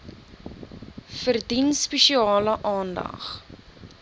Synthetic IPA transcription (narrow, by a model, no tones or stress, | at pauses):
fərdinspɛʃiɑːləʔɑːndɐ̰χ